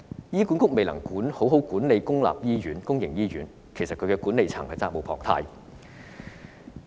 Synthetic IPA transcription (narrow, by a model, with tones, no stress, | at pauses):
jiː˥kuː˨˥nkʊ˥k̚me˨jlɐ˨˩ŋkuː˨˥nho˨˥wɦo˨˥wkuː˨˥nle˨jkʊ˥ŋla̰ː˨p̚jiː˥jyː˨˥nkʊ˥ŋjɪ˨˩ŋjiː˥jyː˨˥n | kʰe˨˩jsɐ˨t̚kʰɵ˨˧ɥkɛː˧kuː˨˥nle˨˧jt͡sʰa̰˨˩ŋhɐ˨jt͡saː˧˥k̚mo˨˧wpʰɔː˨˩ŋt̪ʰa̰ː˧j